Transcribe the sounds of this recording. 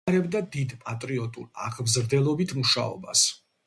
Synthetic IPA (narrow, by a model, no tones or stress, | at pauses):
ɾɛbd̪ad̪id̪pʼat̪ʼɾiɔt̪ʼṵla̰ʁʰbzɾd̪ɛlˠɔbit̪ʰmuʃa̰ɔ̰bas